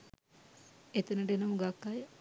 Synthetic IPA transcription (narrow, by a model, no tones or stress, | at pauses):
et̪ənəʈenəmuɡakːajə